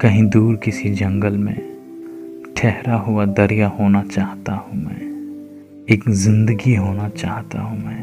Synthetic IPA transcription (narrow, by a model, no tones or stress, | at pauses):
kɐɦĩd̪uːɾkɪsid͡ʒɐ̃ŋɡəlmḛ̃ | ʈʰɛɦɾaɦʊad̪ɐɾijahoːnat͡ʃaːɦt̪ahũmɛ̰̃ː | eːkzɪ̃nd̪əɡiɦoːnat͡ʃaːɦt̪a̰ɦũmɛ̃ː